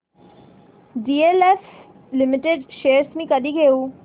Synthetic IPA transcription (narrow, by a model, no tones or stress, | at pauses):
ɖiːeːlɛf | lɪmɪʈeɖʃeːɾsmĩːkəd̪iɡeːuː